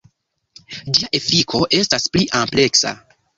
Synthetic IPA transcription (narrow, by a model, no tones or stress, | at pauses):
d͡ʒiaʔe̞fikʰo̞ʔe̞staspliʔample̞ksa̰